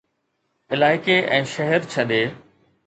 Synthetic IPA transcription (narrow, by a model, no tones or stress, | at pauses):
ɪlaːɪkeʔɛ̃ːʃɐɦɛɾt͡ɕʰɐɗeː